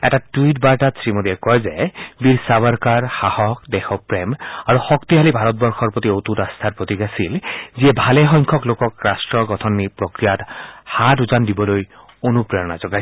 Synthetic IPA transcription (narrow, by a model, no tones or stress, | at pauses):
ɛtatujt̚baɹʈat̪sɹimod̪iɛkɔjzɛbiɹsabaɹkaɹxahɔk̚d̪exɔpɹemaɹuxɔkt̪iɦalibʱaɾɔt̪̚bɔɹxʰɔɹpɹɔt̪iot̪utast̪ʰaɹpɹot̪iɡasilziɛbʱaleɦɔŋkʰɔklokɔkɹasʈɹɔɡɔt̪ʰɔnːipɹokɹijat̪hatuzandibɔloj | onupɹejɔna̰zɔɡaj